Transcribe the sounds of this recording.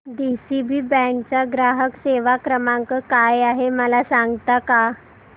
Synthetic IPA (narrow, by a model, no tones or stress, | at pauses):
d̪isibiːbɛ̃k̚t͡ɕaɡɾaɦəkseʋakɾəmaŋkəkajaɦeməlasaŋɡt̪aka